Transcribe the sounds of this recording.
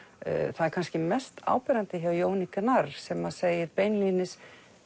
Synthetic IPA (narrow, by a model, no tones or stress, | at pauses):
θaðɛɾkʰanscɪmɛst̪a̰ːwpɛɾant̪ɪçawjoːwnikanaɾsɛmaðseːjɪɾpeːjnlinɪs